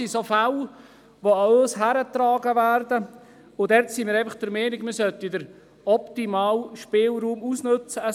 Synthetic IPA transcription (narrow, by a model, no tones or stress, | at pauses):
isofal | ʋoɑøːsɦæɾət̪ɾɑːɡəʋæːɾdə | ʊdɛɾtsimɪːɾɛɪfəχd̥əɾmɛːnɪkməsœt̪ːidəɾ | ɔpt̪imɑːlʃpɪːlɾuːmusnɵt͡səə